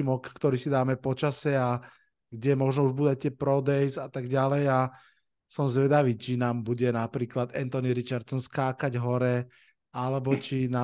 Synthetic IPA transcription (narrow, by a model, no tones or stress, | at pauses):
imɔkːt̪ɔɾiːsid̪aːmɛpɔt͡ʃasɛa | ɡɟɛmɔʒnɔuʒbud̪act̪ɪɛpɾɔd̪ɛjzat̪aɡɟalɛja | sɔmzʋɛd̪aʋiːt͡ʃinaːmbuɟɛnapɾiːklad̪ɛnt̪ɔniɾit͡ʃaɾt̪sɔnskaːkaɟɦɔɾɛ | alɛbɔt͡ʃinaː